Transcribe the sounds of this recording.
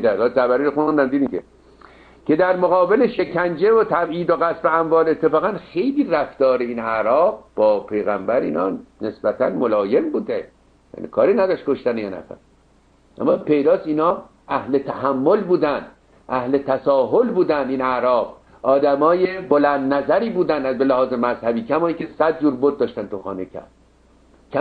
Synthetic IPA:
d̪æɡɒsæbæɾiːɾoxund̪æmd̪iːd̪imkʲʰe | kʰe̞d̪æɾmoɣɒːbe̞leʃe̞kʰænd͡ʒevot̪ʰæbiːd̪oɣæsbeæɱvɒːle̞t̪ʰːefɒːɣænxe̞jliːræft̪ɒːɾeiːnæɾɒːbb̥ɒːpʰe̞jɣæmbæɾḭːnɒ̰ːnesbæt̪ʰæ̰nmolɒːje̞mbuːd̪e | jæ̰ːnʔḭkʰɒːɾiːnæd̪ɒːʃt̪̚koʃt̪ænjɒːnæ̰fæ̰ɾ | ʔæ̰mːɒpe̞jd̪ɒːst̪iːnɒː | æhlet̪ʰæhæmːo̞lbuːd̪ænd̪ | ʔæhlet̪ʰæsɒːɦolbuːd̪ænd̪iːnæɾɒːb | ɒːd̪æmɒːjebolænd̪næzæɾiːbuːd̪ænd̪æzbelæhɒːzemæzhæbiːcʰæmɒːiːŋcʰesæd̪̚d͡ʒuːɾboɾd̪̚ːɒːʃt̪ænt̪ʰuxɒ̰ːnecʰæ̰ɾd̪̥ | cʰæ

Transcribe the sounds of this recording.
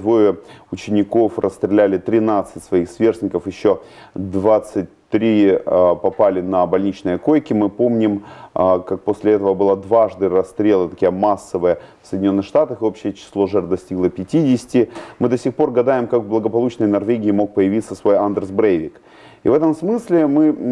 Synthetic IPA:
d̪vojəʊt͡ɕɪnʲɪko̞frəst̪ɾʲɪlʲælʲɪt̪ɾʲɪnat̪sɨtʲsvɐixsvʲe̞rsʲnʲɪkəfjɪɕːo̞ | d̪vat̪sɨt̚ʲt̪ɾʲipɐpalʲɪnɐbɐlʲnʲit͡ɕnəjəko̞jkʲɪmɨpo̞mnʲɪmkak̚posʲlʲɪɛt̪əvəbɨlˠad̪vaʐd̪ɨɾɐst̪ɾʲelˠət̪ɐkʲijəmasːəvəjəfsə̥jdʲɪnʲo̞nːɨxʂt̪at̪əxɨo̞pɕːɪjət͡ɕɪ̥slˠo̞ʐɛrd̪ɐsʲtʲiɡlˠəpʲɪtʲidʲɪsʲɪ̥tʲɪmɨd̪ɐsʲixpo̞rɡɐd̪ajɪmkakblˠəɡəpɐlˠut͡ɕnəjnɐrvʲeɡʲɪɪmo̞k̚pəjɪvʲit̪səsvo̞jand̪ərsbɾevʲɪk | ivɛt̪əmsmɨsʲlʲɪmɨ

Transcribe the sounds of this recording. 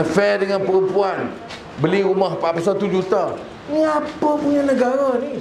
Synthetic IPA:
əfɛdəŋanpəɾəmpuan | bəliɾumahpapas̬at̪ud͡ʒut̪a | niapapuɲanəɡaɾani

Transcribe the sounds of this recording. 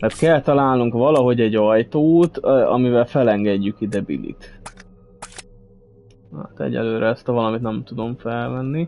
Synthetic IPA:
t̪ɛrt̪kɛlt̪ɒlaːlnuŋkvɒlɒɦo̞ɟɛɟːɒjt̪oːt̪ɒ̰mivɛlfɛlɛŋɡɛɟːykid̪ɛbḭlḭt̪ | a̰t̪ɛ̰ɟɛ̰lːøːɾɛɛst̪ɛvɒlɒmit̪nɛmt̪ud̪o̞ɱfɛlmɛnːi

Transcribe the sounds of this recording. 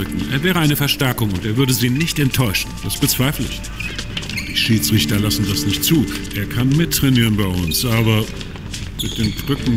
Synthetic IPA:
ʏkŋ̩ʔḛːɐvɛːʁ̞əaɪnəfɛɐʃtɛɐkʊŋʊnteːɐvʏɐdəziːnɪçtɛntʰːɔʏʃn̩d̥asb̥ət͡sv̥aɪflɪ̰ç | d̥iːʃiːt͡sʁ̥ɪçtɐlasn̩dasnɪçt̚t͡suːʔeːɐkʰanmɪtʰːʁ̥ɛniːʁənbaɪʔʊnsʔaːbɐ | mɪt̚d̥eːnbʁʏkŋ̩

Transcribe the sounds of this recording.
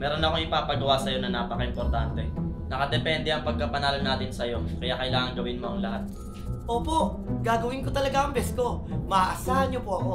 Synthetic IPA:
mɛːɾo̞nɐko̞ŋɪpaːpɐɡɐwasɐjo̞nɐnaːpɐkɐʔɪmpo̞ɾt̪ant̪ɛnɐkɐd̪ɛpɛnd̪ɛʔɐŋpɐɡ̚kɐpɐnaːlɐnaːt̪ɪnsɐjo̞kɐjaːkɐʔɪlaːŋɐŋɡɐwɪnmo̞ʔɐŋlɐhat̪̚ | ʔoːpo̞ʔ | ɡaːɡɐwɪnkot̪ɐlɐɡaʔɐŋbɛsko̞mɐaʔɐsaːhɐnɲopoʔɐko̞

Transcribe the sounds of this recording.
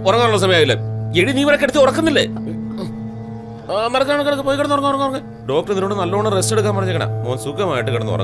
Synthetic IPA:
ɔrɐŋːaːnuɭːɐs̬ɐmɐjaːʋilːɐeɻiniːʋɐɾɐkːeɽut̪ːiɔrɐkːɐnːilːḛ | mɐrɐkːaːɳkːɐɽɐkːpoːjkːeɽɐnːuorɐŋːaːɔrɐŋːorɐŋːe | ɖo̞ːk̚ʈɐrniɾoɳːɖɨnɐlːoːɳːɨreste̞ɽukːaːmpɐrɐɲːɐkːɐɳa̰oːnsukːɐmaːjiʈːɨkiɽɐnːṵɐ̰rɐ̰ŋː

